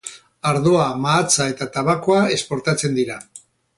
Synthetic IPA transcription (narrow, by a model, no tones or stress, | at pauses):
aɾðo̞amaːt͡sae̞t̪at̪aβako̞ae̞spo̞ɾt̪at͡se̞nd̪iɾa